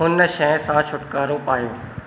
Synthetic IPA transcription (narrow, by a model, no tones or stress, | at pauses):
ɦʊnʃɛ̃ːsãt͡ɕʰʊʈkaːɾoːpaːjoː